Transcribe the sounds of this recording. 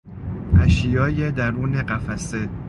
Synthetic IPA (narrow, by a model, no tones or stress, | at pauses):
ʔæʃijɒːjed̪æɾuːneɢæfæse